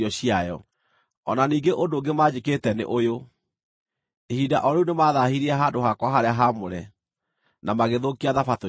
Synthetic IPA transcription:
ɔɕijajɔ̰ | ɔnaniːŋɡeʔondoːɡemaːd͡ʑeketɛnḛʔojo | ehidaʔɔɾeunemaːðahiɾiɛɦadohakwaɦaɾeaɦamoɾɛ | namaɣeðokiaðafato

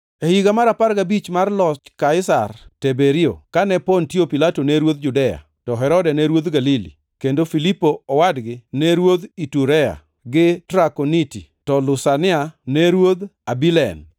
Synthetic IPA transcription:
ehiɡamaɾapaɾɡabit͡ʃmarlɔt͡ʃkaɪsartebeɾiokanɛpontiopilatonɛɾwod̪̚d͡ʒudɛja̰ | tɔɦɛɾɔdɛnɛɾwod̪ɡalilḭ | kendofilipːoɔwadɡɪnɛɾwod̪ituɾɛja̰ | ɡɪtɾakonititɔlʊsanɪanɛɾwod̪abilɛ̰n

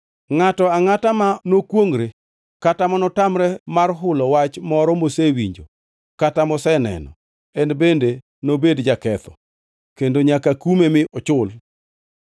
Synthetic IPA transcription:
ŋatɔaŋatamanokwoŋɾe | katamɔnɔtamɾɛmarɦʊlɔwat͡ʃmɔɾɔmosewiɲd͡ʒo̰ | katamɔsɛnɛ̰nɔ̰ | ɛnbende | nobedd͡ʒakɛt̪ɔ̥̰ | kendoɲakakumemɪʔɔt͡ʃʊl

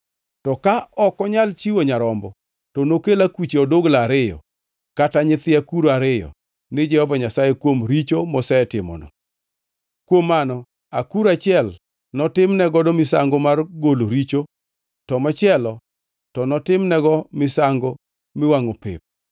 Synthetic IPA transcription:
tɔkaɔkɔɲalt͡ʃiwoɲaɾɔmbɔ | tɔnokelakit͡ʃeɔdoɡlaaɾɪjɔ̰ | kataɲɪt̪ɪakuɾoaɾɪjɔ̰ | nɪd͡ʒɛhɔvaɲasajekwomɾit͡ʃomɔsɛtɪmɔ̰nɔ̰ | kwomːanɔ | akuɾat͡ʃɪɛl | nɔtɪmnɛɡɔdomɪsa̰ŋɡɔmarɡoloɾit͡ʃo | tɔmat͡ʃɪɛlɔ | tɔnɔtɪmnɛɡɔmɪsaŋɡɔ | mɪwaŋopɪ̰p̚

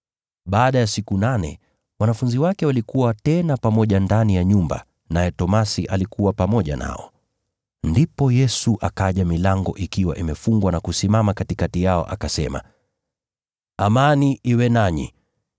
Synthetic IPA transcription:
ɓaːɗajasikunanɛ̰ | wanafunziwakɛwalikuwatɛnapamɔʄandanijaɲumba̰ | najɛtɔmasiʔalikʰuwapamɔʄa̰na̰ɔ̰ | ndipɔjɛsuʔakaʄamilaŋɡɔ̰ʔikiwa̰ʔimɛfuŋɡwanakusimamakatikatijaɔ̰ʔakasɛma̰ | amaniʔiwɛnaɲḭ

